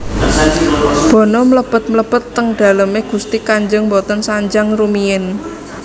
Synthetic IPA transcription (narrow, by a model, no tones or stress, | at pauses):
b̥ɔ̤nɔmələb̥ət̪̚mələb̥ət̪ːəŋɖ̥a̤ləmeɡ̥ust̪ikaɲd͡ʒəŋmbɔt̪ənsaɲd͡ʒaŋrumiɪn